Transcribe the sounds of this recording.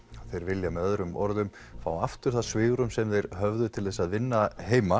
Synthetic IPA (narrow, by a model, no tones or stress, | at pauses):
aðθejɾvɪljamɛðœðɾʏmɔɾðʏm | fawaft̪ʏɾ̥θasvɪːɣɾʏmsɛmðejɾɦœvðʏt̪ʰɪlθɛsːaðvɪnːaɦeːjma